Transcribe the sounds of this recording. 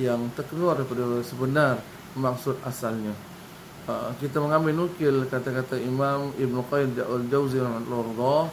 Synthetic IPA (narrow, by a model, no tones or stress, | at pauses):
jaŋt̪ərkəluardajpadasəbənar | mak̚sʊd̪asalɲa | əkit̪aməŋambɪlnukɪlkat̪akat̪aimamɪbnəqɔjɪmdaʔald͡ʒawziɾamat̪lard̪ɔ